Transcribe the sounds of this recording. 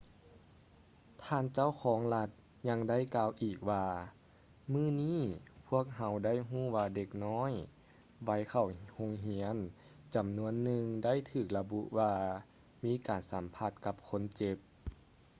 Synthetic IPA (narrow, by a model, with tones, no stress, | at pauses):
t̪ʰaː˧nt͡ɕa˥˩˨wkʰɔː˩˦ŋla˧t̪̚ | ɲa˧ŋda˥˨jkaː˧wʔiː˨˩k̚waː˧ | mɯː˧˥˩niː˥˩˨pʰu˥˩ək̚ɦa˧˥wda˥˩˨jɦuː˥˨waː˧de˧k̚nɔː˧˥˨j | wa˧˥jkʰa˨˩who˧ŋɦi˧˥ən | t͡ɕa˨˩mnu˧˥ənːɯ˧ŋda˥˩˨jt̪ʰɯː˧˨˩k̚la˧bu˧ʔwaː˧ | miː˧˥kaː˨˩nsa˨˦mpʰa˧˩t̪̚ka˧˦p̚kʰo˧˥nt͡ɕe˧p̚